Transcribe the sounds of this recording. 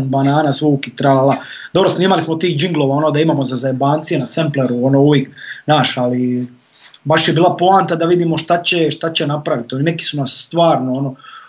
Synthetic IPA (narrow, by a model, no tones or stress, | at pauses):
nbanaːnasʋuːkit̪ɾalalˠa | d̪o̞bɾo̞sniːmalismot̪iːxd͡ʒiŋɡlˠo̞ʋao̞nod̪aimaːmo̞zazaebaːnt̪sijenasempleɾuonouʋjeːknaːʃali | baʃjebiːlaplˠaːnt̪ad̪aʋid̪iːmo̞ʃt̪at͡ɕeʃt̪at͡ɕenapɾaʋit̪olineki̥sunasːt̪ʋaːɾnoono